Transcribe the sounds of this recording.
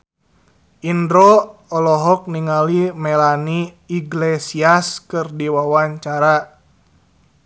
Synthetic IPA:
ʔindɾɔɔlɔɦɔk̚niŋalimɛlaniː | ɡlesiaskɨrdiwawaɲt͡ʃaɾa

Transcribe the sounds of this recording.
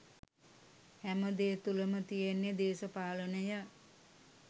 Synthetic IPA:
hæməd̪eːt̪uləmət̪ijenːed̪eːsəpaːlənəjə

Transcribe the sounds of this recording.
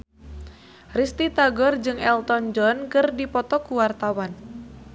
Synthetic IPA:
rist̪it̪aɡɔrd͡ʒɨŋɛlt̪ɔnd͡ʒɔnkɨrdipɔt̪ɔkuwart̪awan

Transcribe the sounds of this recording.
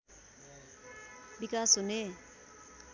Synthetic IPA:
bikasɦune

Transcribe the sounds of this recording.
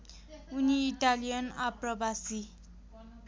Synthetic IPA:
uniːʈalijʌnaprʌbasi

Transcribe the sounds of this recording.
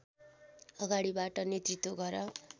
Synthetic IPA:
ʌɡaɽibaʈʌnet̪rit̪woɡʌɾʌ

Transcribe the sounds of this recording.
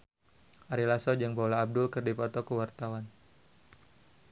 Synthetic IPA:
ʔaɾilasɔd͡ʒaŋbalaːb̚dʊlkɨrdipɔt̪ɔkəwart̪awan

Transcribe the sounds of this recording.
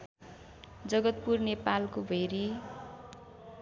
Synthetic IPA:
d͡zʌɡʌt̪̚purnepalkobʱeɾi

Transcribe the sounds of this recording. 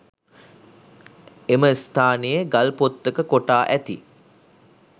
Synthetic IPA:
eməist̪ʰaːnejeɡalpot̪ːəkəkoʈaːʔæt̪ḭ

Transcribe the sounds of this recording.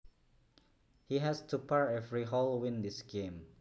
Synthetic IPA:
hiɦɛstupʰaɹɛvɹiɦɔlwĩndisɡẽm

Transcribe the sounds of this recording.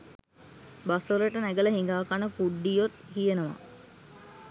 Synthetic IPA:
basələʈənæɡələɦiŋɡaːkanəkuɖːijot̪hijenəʋa̰

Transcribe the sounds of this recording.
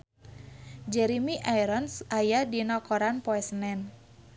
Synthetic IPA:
d͡ʒɛɾimiʔajɾɔnsʔajadinɔkɔɾanpɔɛsnɛn

